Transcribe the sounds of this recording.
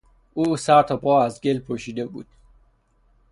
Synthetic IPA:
uːsæɾt̪ʰɒpʰɒːæzɡelpʰoʃiːd̪ebṵːd̪̥

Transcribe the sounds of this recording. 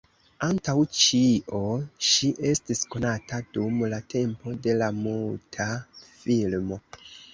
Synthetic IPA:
antawt͡ʃiʔo̞ʃiʔe̞stisko̞natadumlate̞mpo̞de̞lamultʰafilmo̞

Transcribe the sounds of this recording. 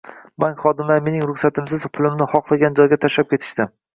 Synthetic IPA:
baŋkʲχɒd̪ɪmlaɾme̞nɪŋɾʊχsat̪ʰɪmsɪz̥pʰʊlˠɪmnɪχɒqlˠaɡʲand͡ʒɒjɡʲat̪ʰaʃlap̚kʲʰe̞t̪ʰɪ̥ʃt̪ɪm

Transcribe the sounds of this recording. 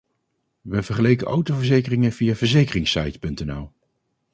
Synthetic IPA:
ʋəvəɹχəlejkəʔowtowvəɹzejkərɪŋənvijaːvəɹzejkərɪŋsɑ̰jtpɵntɛnɛ̰lˠ

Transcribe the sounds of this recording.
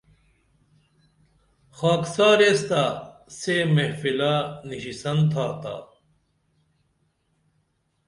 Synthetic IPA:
xaːksaːɾest̪asemehfilaniɕisɐnt̪ʰaːt̪a̰ː

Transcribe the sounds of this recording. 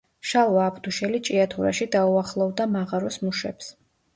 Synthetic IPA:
ʃalˠvaːbd̪uʃɛlit͡ʃʼiat̪ʰuɾaʃid̪auaχlˠɔvd̪amaʁaɾɔsmuʃɛ̰ps

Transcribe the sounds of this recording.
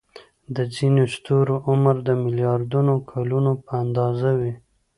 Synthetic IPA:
d̪əzinost̪oɾoʔʊməɾd̪əmɪljɑɾd̪unokʰalunopəand̪ɑzawi

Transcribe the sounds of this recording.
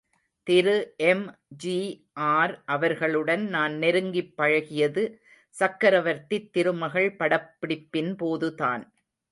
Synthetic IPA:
t̪ɪɾɯʔɛmd͡ʒiː | ʔaːɾʔɐʋɐɾɣɐɭɯɽɐnnaːnnɛɾɯŋɡɪpːɐɻɐɣɪjɐðɯ | sɐkːɐɾɐʋɐɾt̪ɪt̪ːɪɾɯmɐɣɐɭpɐɽɐpːɪɽɪpːɪnpoːðɯta̰ːn

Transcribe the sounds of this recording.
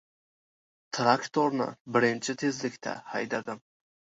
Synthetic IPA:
t̪ʰɾakt̪ʰoɾnɪ̰bɪɾɪnt͡ʃʰɪt̪ʰe̞zlɪkʲt̪ʰa̰hajd̪ad̪ɪm

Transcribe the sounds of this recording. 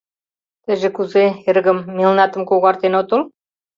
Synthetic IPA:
t̪ə̆ʒĕkuzeeɾɣə̆mːilnɑt̪ə̆mkoɣɑrt̪enot̪ŏlˠ

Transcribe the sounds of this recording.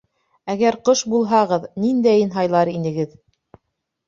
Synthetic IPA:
æɡæɾqɤʃbulˠɦɑʁɤðnind̪æjɤ̆nɦɑjlˠɑɾinɘ̆ɡɘð

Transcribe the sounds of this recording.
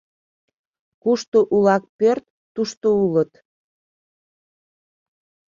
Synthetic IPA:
kuʃt̪oʔulɑk̚pørt̪ːuʃt̪oulət̪

